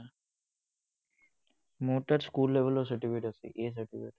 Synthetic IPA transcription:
moːʈɐɾskuːlːeʋɐloːs̬ɐʈifeːʈɐsḭʔeːs̬ɐʈipḭːʈ

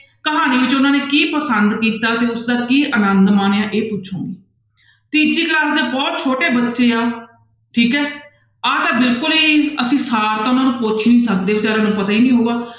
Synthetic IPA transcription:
kəɦaːniːʋɪt͡ʃʊnãːneːkiːpəsənd̪kiːt̪aːt̪eːʊsd̪aːkiːʔənənd̪maːneãːʔeːpʊt͡ʃʰõ̰ːniː | t̪iːd͡ʒiːklaːsd̪eːbɔːt̪̚t͡ʃʰoːʈeːbətːʃeːaː | ʈʰiːkɛː | aːt̪ãːbɪlkʊliːəsĩːsaːɾt̪ãːʊnãːnũːpʊt͡ʃʰnĩːsək̚d̪eːət͡ʃaːɾãːnũːpət̪aːiːnĩːɦoːɡaː

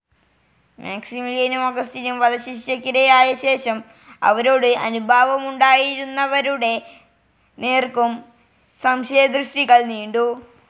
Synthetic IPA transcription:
mʔaːksimiljɐnumɐɡɐst̪inumʋɐðɐɕit͡ɕːɐkʲːiɾɐjaːjɐɕe̞ːɕɐm | ɐ̰ʋɐɾo̞ːɽɨʔɐnubʱaːʋɐmuɳɖaːjiɾunːɐʋɐɾuɽe̞ | neːrkum | sɐmɕɐjɐd̪rɨʂʈiɣɐɭniːɳɖu

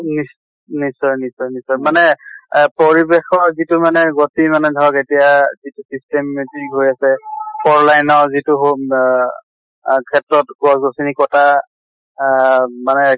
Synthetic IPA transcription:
nis | nisɔjnisɔjnisɔjmanɛpɔɹibexɔzitʊmanɛɡotimanɛdʱɔɹɔketijazitusistɛmːetiɦojasɛpʰɔɹlajnɔzituɦo | kʰɛtɹɔtɡɔsɡosinikɔta | manɛ

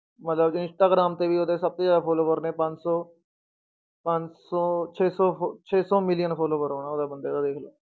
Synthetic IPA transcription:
mət̪ləbd͡ʒɪ̃nsʈaːɡɾaːmt̪eːʋiːoːd̪eːsəb̚t̪oːd͡ʒaːd̪aːpʰoːloːʋəɾnẽːpəɲd͡ʒsɔː | pə̃ɲd͡ʒsɔːt͡ʃʰeːsɔːot͡ʃʰeːsɔːmɪlɪjənpʰoːloːʋəɾɦoːnaːod̪aːbənd̪eːd̪aːd̪eːkʰloː

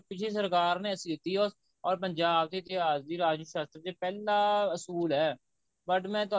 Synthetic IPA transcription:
pɪt͡ʃʰes̬əɾkaːɾnẽːəsĩd̪ɪt̪ːiːɦoː | ɔːɾpəɲd͡ʒaːb̚t̪eːt̪eaːd͡ʒd̪iːɾaːd͡ʒjəʃaːst̪ɾd̪eːpɛːlaːəsuːlɦɛː | bəʈmɛ̃ːt̪ʊ

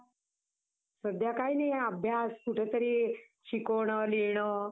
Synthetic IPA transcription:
səd̪jakainajəbʱjaskuʈʰet̪əɾiː | ɕikoɽ̃əliɳ̃ə

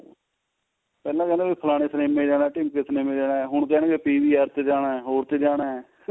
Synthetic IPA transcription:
pɛːlãːkɛ̃ːnd̪eːbiːpʰəlaːɽ̃eːsəneːmẽːd͡ʒaːnaːɛʈɪːmkesəneːmẽːd͡ʒaːnaːɛːɦʊɳkɛːneːkepiːʋiːaːɾt̪eːd͡ʒaːɽaːɛːɦoːɾt̪eːd͡ʒaːɽaːɦɛː

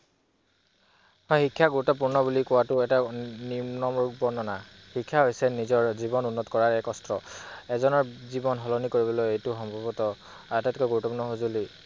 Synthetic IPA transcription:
hɔjxikʰːjaɡuɹutɔp̬uɹnɔbulikuwatʊɛtaninɔmɹuk̚bɔnɔna | hikʰːjaɦojsɛnizɔɹzibɔnunːɔtkɔɹaɹɛkɔstɹɔɛzɔnɔɹzibɔnɦɔlɔnikoɹibɔlojejtʊxɔmbʱabɔtɔ | atatikɔɡuɹutːɔpuɹnɔɦozuli

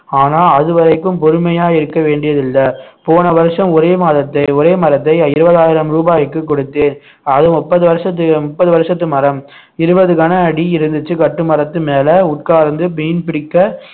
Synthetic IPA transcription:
aːnaːlɐðɯʋɐɾɐɪkːɯmpɔɾɯmɐjaːɪɾɯkːɐʋeːɳɖɪjɐðɪlːɐpoːnɐʋɐɾɯʂɐmɔɾeːmaːðɐt̪ːɐɪɔɾeːmɐɾɐt̪ːɐɪɪɾɯbɐðaːjɪɾɐmɾuːbaːjɪkːɯkːɔɽɯt̪ːeːn | ɐðɯmʊpːɐðɯʋɐɾɯʂɐt̪ːɯmʊpːɐðɯʋɐɾʂɐt̪ːɯmɐɾɐm | ɪɾɯbɐðɯkɐnɐːɽiɪɾɯnd̪ɯt͡ʃːɯkɐʈːɯmɐɾɐt̪ːɯmeːlɐʊʈ̚kaːɾnd̪ɯpɛjnpɪɽɪkːɐ

